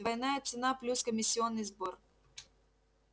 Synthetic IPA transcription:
vɐjnajət̪sɨnaplʲuskəmʲɪsʲːɪonːɨjzbor

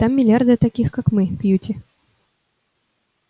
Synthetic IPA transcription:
t̪amːʲɪlʲjard̪ɨɐt̪akʲixkakmɨkjutʲɪ

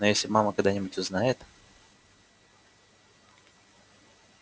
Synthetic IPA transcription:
nojesʲlʲɪmaməkɐɡd̪anʲɪbʊtʲʊznajɪt̪

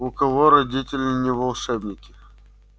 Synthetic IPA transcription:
ʊkɐvoɾɐdʲitʲɪlʲɪnʲɪvɐlˠʂɛbnʲɪkʲɪ

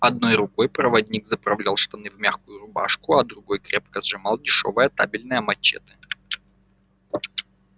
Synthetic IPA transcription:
ɐd̪̚no̞jɾʊkojpɾəvɐdʲnʲiɡzəpɾɐvlʲalˠʂt̪ɐnɨvmʲaxkʊjʊɾʊba̰ʂkʊɐd̪ɾʊɡo̞jkɾʲep̚kəzʐɨmɑlˠdʲɪʂo̞̰vəjət̪a̰bʲɪlʲnɨjəmɐt͡ɕːḛt̪ɨ̥

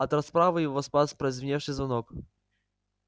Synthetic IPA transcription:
at̪ɛɾaspɾavɨivɔspaspɾɛzʲvʲɲɛʂɪzɔnɔk

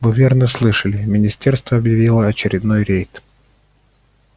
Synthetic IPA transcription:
vɨvʲernəslˠɨʂəlʲɪmʲɪnʲɪsʲtʲerst̪vəɐbjɪvʲilˠəɐt͡ɕɪɾʲɪd̪nojɾʲejt̪

